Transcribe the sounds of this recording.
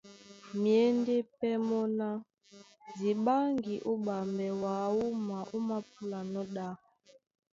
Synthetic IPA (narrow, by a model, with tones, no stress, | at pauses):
mi˨e˦nde˦pɛ˦mɔ˦na˦ | zi˨ɓa˦ŋɡi˨ʔu˦ɓa˨mbɛ˨wa˨u˦ma˨ʔu˦ma˦pu˦la˨nɔ˦ɗa˦